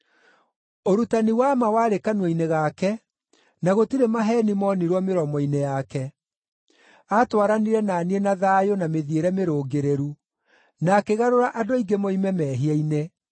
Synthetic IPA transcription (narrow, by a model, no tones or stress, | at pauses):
oɾutaniwamawaːɾekanweineɣakɛ | naɣotiɾemaɦɛːnimɔniɾwɔmeɾɔmɔinejakɛ | atwaɾaniɾɛnaːnienaðaːjonameðieɾɛmeɾoːɡeɾeɾu | naːkeɣaɾoɾaʔadoiɡemoimɛmɛːɦiaine